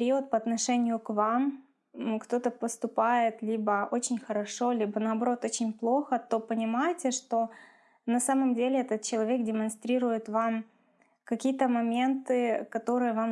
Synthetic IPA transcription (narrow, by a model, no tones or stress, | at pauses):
ɾʲiot̪̚pɐɐt̪nɐʂɛnʲɪjʊkvam | kt̪o̞t̪əpəst̪ʊpajɪt̪lʲibəo̞t͡ɕɪnʲxəɾɐʂo̞lʲibənɐːbɐɾo̞t̪o̞t͡ɕɪnʲplˠo̞xət̪o̞pənʲɪmajɪtʲɪʂt̪o̞ | nɐsaməmdʲelʲɪɛt̪ət̪̚t͡ɕɪlˠɐvʲe̞kdʲɪmɐnst̪ɾʲiɾʊjɪt̪vam | kɐkʲijət̪əmɐmʲe̞nt̪ɨkɐt̪o̞ɾɨjəvam